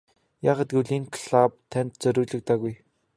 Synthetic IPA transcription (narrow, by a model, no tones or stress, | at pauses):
jaːʁaːt̪̚ɡɵɮiːŋkʰɮap̚t̪ʰænʲt̪t͡sœɾʲɵːɮɵ̆k̚t̪aːɣuj